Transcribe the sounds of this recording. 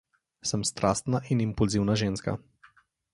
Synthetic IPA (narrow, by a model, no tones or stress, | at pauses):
səmst̪ɾʔast̪naʔinimpulziwnaʒeːnska̰